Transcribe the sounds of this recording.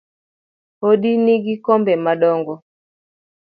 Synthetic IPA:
hoɗiniɡikɔmbɛmaɗɔŋɡɔ

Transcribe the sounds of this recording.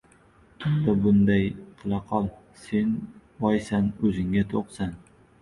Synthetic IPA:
ɪnd̪abʊnd̪ajqʰɨlˠɑqʰɒlˠ | se̞n | ɒjsanɵzɪŋʲat̪ʰoqsan

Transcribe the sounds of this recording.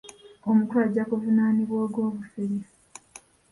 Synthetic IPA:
omutuaɟakuvunaːniβwoːɡwoːβuseɾif

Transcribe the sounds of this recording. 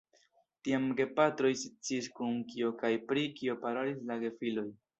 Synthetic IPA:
tiamɡe̞patɾo̞jsit͡siːskuŋkio̞kajpɾikio̞paɾolislaɡe̞filo̞j

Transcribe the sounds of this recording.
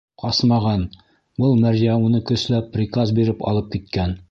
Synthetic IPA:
qɑsmɑʁɑn | bɤlˠmæɾʑæunɤkɵ̆slæpːɾʲɪkazbiɾɘpɒ̰lˠɤp̚kit̪̚kæn

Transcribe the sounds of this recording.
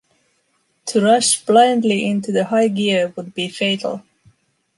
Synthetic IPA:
tʰɨɹʌʃb̥lãɪ̃ndˡliʔɪ̃ntʉðɨhaɪɡɪɹwəd̚bifeɪɾl̩ˠ

